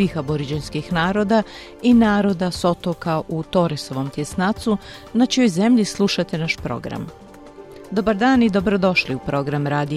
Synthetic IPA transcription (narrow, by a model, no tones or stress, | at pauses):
ixaboɾid͡ʑenskixnaːɾo̞d̪a | inaːɾo̞d̪aso̞t̪okaʔut̪o̞ɾeso̞ʋo̞mt̪jesnat̪su | nat͡ʃijo̞jze̞mʎislˠuʃat̪e̞naʃpɾo̞̰ɡɾa̰m | d̪o̞baɾd̪aːnid̪o̞bɾo̞d̪o̞ʃliupɾo̞ɡɾamɾaːd̪i